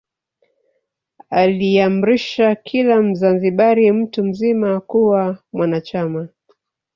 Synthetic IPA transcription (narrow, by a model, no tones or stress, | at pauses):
aliam̩ɾiʃakʰilam̩zanziɓaɾim̩tum̩zimakuwamwanat͡ʃama